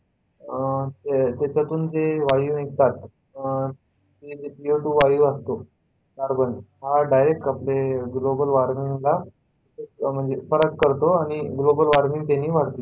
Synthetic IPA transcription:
t̪et̪at͡ɕat̪uːnd͡zeʋajuːnikt̪at̪ | ed͡ʑepioʈuːʋajuːast̪o | saɾbənɦaɖajɾek̚ʈapleɡlobəlʋaɾmiŋla | em̤əɳd͡zefəɾəkːəɾt̪oaɽ̃iɡlobəlʋaɾmiŋt̪aniːʋaɽt̪iː

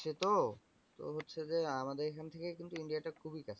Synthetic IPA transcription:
et̪o | t̪o̰ɦotːɕʰed͡ʑeamad̪eɾekʰant̪ʰekekint̪uiɳɖiaʈakʰubikat͡ɕʰe

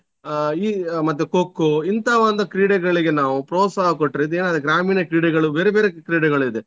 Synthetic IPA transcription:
iːmɐt̪̬ːukokːuint̪ɐʋɐnd̪ukɾiːɽɛɡɐɭiɡe̞naːʋupɾɔːt̪saːɦɐkoʈːɾeid̪eːnaːd̪uɡɾaːmiːnɐkɾiːɽɛɡɐɭubeːɾebeːɾekɾiːɽɛɡɐɭuid̪e

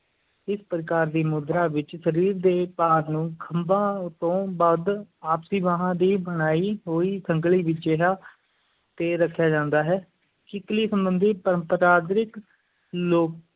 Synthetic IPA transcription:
ɪspəɾɪkaːɾd̪iːmʊd̪ɾaːʋɪt͡ʃsəɾiːɾd̪eːpaːɾnũːkʰəmbãːt̪õːbad̪aːpsiːʋaːɦãːd̪iːbəɽaːiːɦoːiːsəŋɡliːʋɪt͡ʃd͡ʒeːɦaː | t̪eːɾəkʰːjaːd͡ʒãːnd̪aːɦɛː | kɪkliːsəmbənd̪iːpəɾəmpəɾaːd̪ɾɪk | loːk

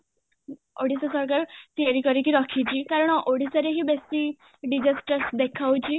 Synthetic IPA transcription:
oɽisəsəɾkaɾt̪ijaɾikəɾikiɾakʰit͡ɕiːkaɾəɳoɽisəɾeɦiːbest̪i | ɖid͡ʑasʈəsd̪ekʰawt͡ɕiː

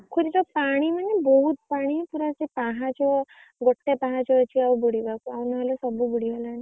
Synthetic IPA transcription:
kʰuɾit̪ɔpaɽ̃imanebɔɦut̪̚paɽ̃ipuɾasepaɦat͡ʃɔ | ɡoʈːepaɦat͡ʃɔːt͡ʃʰiawbuɽibakuawnɔɦelɔsɔbubuɽibalaɽ̃i

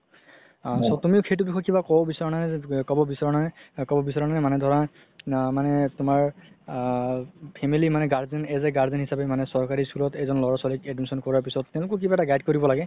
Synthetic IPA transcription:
sɔtumiʊxejt̬ʊbixɔjkibakɔbisaɹɔnanɛkɔbɔbisaɹɔnanɛkɔbɔbisaɹɔnanɛmanɛdʱɔɹa | manɛtʊmaɹ | pʰɛmilimanɛɡaɹzinɛzɛɡaɹzɛnɦisapɛmanɛsɔɹkaɹiskulɔtejzɔnlɔɹasɔlikɛdmisɔnkɔɹaɹpisɔtːɛ̃ʊ̃lʊkɔk̬ibaɛtaɡajd̚koɹibɔlaɡɛ

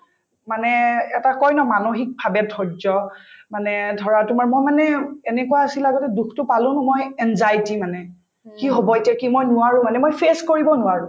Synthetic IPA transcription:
manɛɛtakɔjnɔmanoxik̚bʱabɛdʰʱɔɹzɔmanɛdʱɔɹatʊmaɹmojmanɛɛnɛkuaasilaɡɔtɛdukʰtʊpalʊ̃nʊmojɛnzajtimanɛ | kiɦobɔetiakimojnʊwaɹũmanɛmojpʰeskoɹibɔnʊaɹʊ̃

